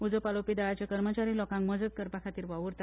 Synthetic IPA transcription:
ud͡zəpalopid̪aɭat͡ɕjakəɾmət͡ɕaɾiːlɔkãŋkməd͡zət̪̚kəɾpakʰat̪iːɾʋaʋuɾt̪a

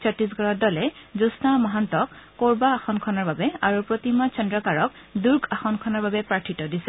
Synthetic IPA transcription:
sʰɔtis̬ɡʱɔɹɔt̚dɔlɛzusnamaɦantɔkːoɹbaːxɔnkʰɔnaɹbabɛaɹupɹot̪imat͡ʃɔndɹɔkaɹɔk | duɹɡaxɔnkʰɔnaɹbabɛpɹaɹtʰitɔdisɛ̥

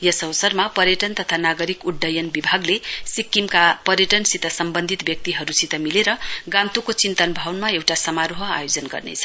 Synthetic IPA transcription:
jʌsʌwsʌrmapʌɾjʌʈʌnt̪ʌt̪ʰanaɡʌɾikuɖɖʌjʌnbibʱaɡlesikːimkapʌɾjʌʈʌnsit̪ʌsʌmbʌnd̪ʱit̪bjʌk̚t̪iɦʌɾusit̪ʌmileɾʌɡãnt̪ukot͡sint̪ʌnbʱawnmaewʈasʌmaɾoɦʌa̰jod͡zʌnɡʌ̰rnḛt͡sʰʌ̥

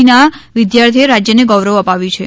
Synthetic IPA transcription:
inaʋɪd̪jaɾt̪ʰieɾad͡ʒjəneɡɔʋɾəʋəpaʋjũt͡ʃʰe

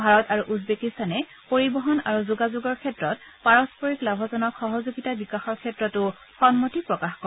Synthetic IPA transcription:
bʱaɹɔtaɹuʔudbekistanɛ | poɹibɔɦɔnaɹuzuɡazuɡɔɹkʰɛtɹɔtpaɹɔspɔɹiklabʱɔzɔnɔkxɔɦɔzuɡitabikaxɔɹkʰɛtɹɔtʊ | xɔnmotipɹɔkaxkɔ

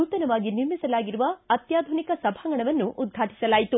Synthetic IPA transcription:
uːt̪ɐnɐʋaːɡiniɾmisɐlaːɡiɾuʋɐɐt̪jaːd̪ʱunikɐsɐbʱaːŋɡɐɳɐʋɐnːuʔud̪̚ɡʱaːʈi̥sɐlaːjit̪u

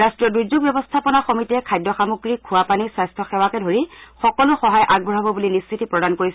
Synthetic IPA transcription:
astɹiɔdujzuɡ̚bjɔbɔstʰapɔnaxɔmitɛkʰajdɔxamuɡɹikʰuwapanisajstʰɔxɛwakɛdʱoɹixɔkɔlʊxɔɦajʔaɡ̚bʱɔɹabɔbulinisːʰitipɹɔdankoɹis

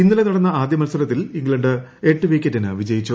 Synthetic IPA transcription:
inːɐlenɐɽɐnːɐaːd̪jɐmɐlsɐɾɐt̪ːiliŋɡɭɐɳɖɨ | e̞ʈːɨʋeːkʲːɐtːɐnɨʋid͡ʑɐjit͡ɕːu

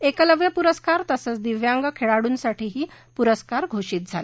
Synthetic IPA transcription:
ekələʋjəpuɾəskaɾt̪əsət͡sd̪iʋjaŋɡakʰeɭaɽuːnsaʈʰiːɦiː | puɾəskaɾɡʱoɕiːt̪̚d͡zʱa̰le

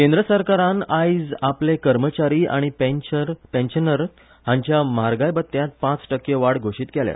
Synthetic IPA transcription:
kẽnd̪ɾəsəɾkaɾãnajd͡zaplekəɾmət͡ɕaɾiːa̰ɽ̃ipeɾpẽnɕnəɾ | ɦãɲt͡ɕjamaɾɡajbət̪ːjãt̪̚pãt͡sʈəkːeʋaɽɡʱoʂiːt̪kelja̰

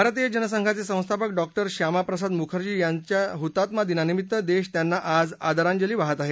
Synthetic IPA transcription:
bʱaɾət̪ijəd͡ʑənəsəŋɡʰʱat͡sesə̃w̃st̪ʰapəkɖɔk̚ʈəɾɕamapɾəsad̪mukʰəɾt͡ɕiːjaɲt͡ɕjaɦut̪at̪mad̪inanimit̪ːəd̪eɕt̪janːaʔad͡za̰d̪aɾãɲd͡ʑəliːʋaɦət̪aɦe

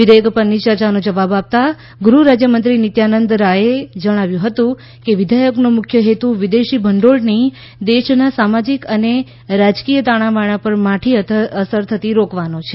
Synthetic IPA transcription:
ʋɪd̪ʱəjəkpənit͡ʃəɾt͡ʃanod͡ʒəʋabap̚t̪a | ɡɾuɾad͡ʒjəmənt̪ɾinit̪janənd̪ɾaed͡ʒəɽ̃aʋjũɦət̪ũ | keʋɪd̪ʱajəknomʊkʰjəɦet̪uʋid̪eʃibʱəɳɖoɭni | d̪eʃnasamad͡ʒikəne | ɾad͡ʒkijət̪aɽ̃ãʋaɽ̃ãpəɾmaʈʰiəsəɾt̪ʰət̪iɾokʋanot͡ʃʰe

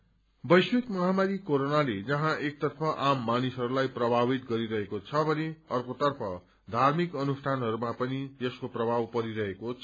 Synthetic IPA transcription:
bʌjswikmʌɦamaɾikoɾonaled͡zʌɦãʔek̚t̪ʌrpʰʌʔamːanisɦʌɾulajprʌbʱabit̪ɡʌɾiɾʌɦekot͡sʰʌbʱʌneʌrkot̪ʌrpʰʌ | d̪ʱarmikʌnusʈʰanɦʌɾumapʌnijʌskoprʌbʱawpʌɾiɾʌɦekot͡sʰ

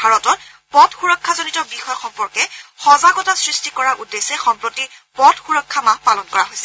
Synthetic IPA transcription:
bʱaɹɔtɔt | pɔtxuɹɔkʰːazonitɔbixɔjɔxɔmpɔɹkɛxɔzaɡɔtasɹistikɔɹaʔudesɛxɔmpɹɔti | pɔdxuɹɔkʰːamapalɔnkɔɹaɦojsɛ

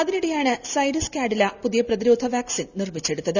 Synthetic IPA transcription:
ɐðiniɽejaːɳɨsɐjɾɐskʲaːɖɐlɐpuðijɐprɐðiɾoːd̪ʱɐʋaːksinnirmit͡ɕːe̞ɽut̪ːɐðɨ

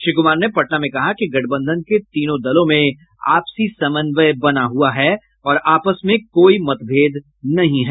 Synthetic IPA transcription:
ʃɪkʊmaːɾnepɐʈnamẽkɐɦakiɡɐʈ̚ʰbə̃nd̪ʱənket̪iːnõd̪ɐlõmẽ | a̰ːpsisɐmə̃nʋəjbɐnaɦuaɦɛː | ɔːɾaːpəsmẽkoːimɐt̪bʱeːd̪ | nɐɦĩɦɛː

